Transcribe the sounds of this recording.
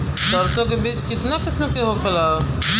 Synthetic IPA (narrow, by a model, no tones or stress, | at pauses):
d̪əɾsõkebiːt͡ʃkɪt̪nakɪsnõkeɦokʰela